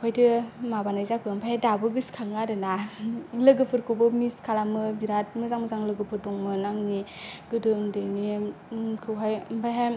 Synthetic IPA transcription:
pʰajdɯmabanajzakʰɯmpʰajajdabɯɡɯskʰaŋaɾɯnalɯɡɯpʰɯɾkʰobɯmiskʰalamɯbiɾat̚mɯzaŋmɯzaŋlɯɡɯpʰɯɾdɔŋmɯnaŋniɡɯdɯŋdɯni | kʰɯwɦajmpʰajɦa

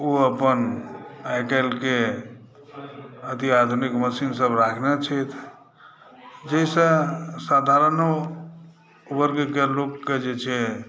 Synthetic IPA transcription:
oəpənajkəlke | ət̪iad̪ʱunikməsinsəbɾakʰnet͡ʃʰɛt̪ʰ | d͡ʒeisə̃sad̪ʱaɾəno | ubəɾkekelokːed͡ʒet͡ʃʰɛ

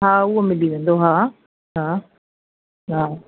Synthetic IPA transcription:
ɦãːuomɪliʋẽnd̪oɦãː | ɦãː | ɦãː

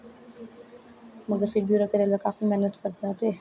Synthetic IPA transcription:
mɐɡəɾfɪɖbjuːɾokɐɾelɐkaːfimɛɦnət̪kɐɾt̪aːt̪e

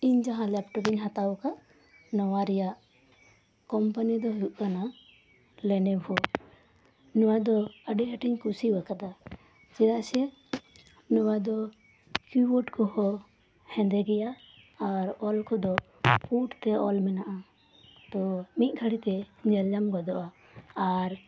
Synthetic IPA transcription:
iɲd͡ʒaɦãlɛp̚ʈɔpiɲɦat̪akaʔ | nɔwaɾɛjaʔ | kɔmpanid̪ɔɦuʔ̪̚kana | lɛnɛbʱɔ | nuwad̪ɔəɖiɦəʈiɲkusiwakad̪a | t͡ʃɛɾaʔsɛ | nuwad̪ɔ | kubɔʈkɔhɔ | hɛ̃nd̪ɛɡɛjaː | ɾɔlkɔd̪ɔ | puʈt̪ɛɔlmɛnaʔa | t̪ɔmit̪̚ɡʰʱaɽit̪ɛɲɛld͡ʒamɡɔd̪ɔʔaː | ɾ

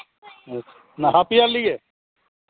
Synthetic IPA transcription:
naɦapijalie

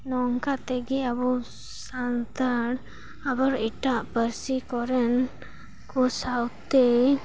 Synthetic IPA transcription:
nɔŋkat̪ɛɡiabu | sant̪əɽ | abɔɾiʈaʔpəɾsikɔɾɛn | kɔsawt̪e

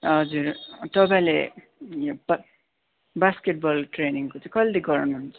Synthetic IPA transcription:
ʌd͡zurt̪ʌpãĩle | job | baskeʈ̚bʌlʈreniŋkot͡sãĩkʌlleɡʌɾnuɦunt͡sʰʌ̥

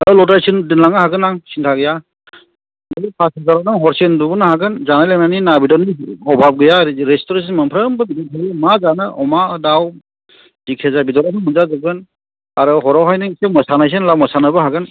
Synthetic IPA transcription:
alɔtajsɯndɯnlaŋɯhaɡɯnaŋsintʰaɡɯja | ipʰasizaɾɔnɯŋɦɔɾsendubɯnɦaɡɯnzanalenaninabidɔniɔbʱab̚ɡɯjaɾestɔɾens̬inmɯmpʰɾəmbɯbidɔtʰaɡimazanɯʔɔmadaw | dikʰezabidɔɾanɯmunzazɯɡɯn | aɾɯɦɔɾɔwɦajnɯsemɔsanajs̬enlawmɔsanɯbɯɦaɡɯn

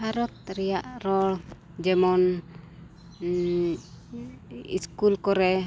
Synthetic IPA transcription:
haɾɔt̪̚ɾijaʔɾɔ | d͡ʒɛmɔn | ḭskulkɔɾɛ

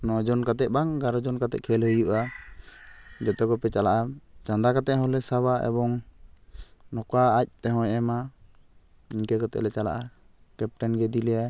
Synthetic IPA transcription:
nɔd͡ʒɔnkat̪ɛˀbaŋɡaɾɔd͡ʒɔnkat̪ɛ̰ʔ̚kʰɛlhəjuʔa | d͡ʒɔt̪ɔɡɔpɛt͡ʃalaʔat͡ʃand̪akat̪ɛʔ̚ɦɔlɛsaβaʔɛ̰bɔŋ | nɔkaːc̚t̪ɛɦɔ̃jʔɛma | iɲkɛkat̪ɛ̰ʔlɛt͡ʃala̰ʔa | kɛp̚ʈɛnɡɛd̪ilɛja

